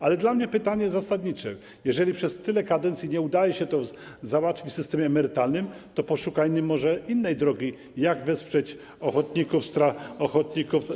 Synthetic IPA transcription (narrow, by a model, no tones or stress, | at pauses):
alɛd̪lamɲɛpɘt̪aɲɛzzasad̪ɲit͡ʂɛ̰ | jɛʐɛlʲipʂɛst̪ɘlɛkad̪ɛnt̪sʲjiɲɛud̪ajɛɕɛt̪ɔ | zawat̪fʲit͡ɕfsɘst̪ɛmʲjɛːmɛɾɘt̪alnɘm | t̪ɔpɔʂukajnʲimːɔʐɛinːɛjd̪ɾɔɡʲi | jaɡvɛspʂɛt͡ɕ | ɔxɔt̪ɲikufst̪ɾaɔxɔt̪ɲikuf